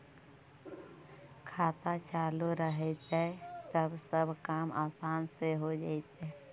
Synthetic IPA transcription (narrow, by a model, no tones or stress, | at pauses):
kʰaːt̪at͡ʃaːluɾəɦet̪ɦɛt̪əbsəbkaːmʔaːsaːnseɦod͡ʒa̰ːet̪ɛ